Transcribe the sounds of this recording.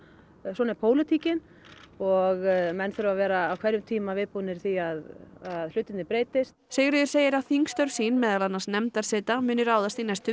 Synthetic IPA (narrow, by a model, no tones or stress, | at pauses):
sɔːnɛɾpʰoːwlɪt̪ʰiːcɪn | ɔɣmɛnθʏɾʏvavɛːɾaːwkʰvɛɾʏmt̪ʰiːmavɪðpuːnɪɾ̥θiaðaðlʏt̪ɪnt̪nɪpɾeːjt̪ɪst̪seːɣɾʏðʏɾseːjɪɾaθiŋkst̪œɾv̥siːnmɛːðalanːḁsnɛmt̪aɾ̥sɛːt̪amʏːnʏɾaːwðast̪inɛst̪ʏ